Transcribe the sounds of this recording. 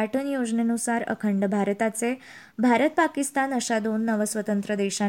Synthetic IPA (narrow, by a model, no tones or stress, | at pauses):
aʈənjod͡ʒnenusaɾə̰kʰəɳɖəbʱaɾət̪at͡se | bʱaɾət̪̚pakist̪anəʃad̪onːəʋəsʋət̪ənt̪ɾəd̪eʃa